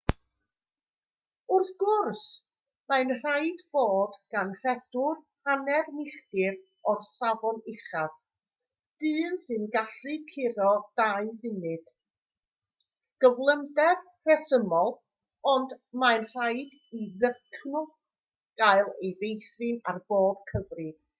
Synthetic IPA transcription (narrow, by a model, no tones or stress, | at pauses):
ʊrθɡ̥ʊrs | maɨnr̥ajdb̥oːdɡ̥anr̥ɛd̥ʊrhanɛrmɪɬtɪr | ɔrsavɔnɪχað | d̥ɨːnsɨnɡaɬrɨkʰɪɾɔd̥aɨvɨnɨd̥ | ɡ̥əvlˠəndɛr | rɛsəmɔlˠ | ɔndmaɨnr̥ajdiðərkʰnʊ | ɡ̥aɨlˠejvejθrɨnarb̥oːb̥̚kʰəvrɨd̥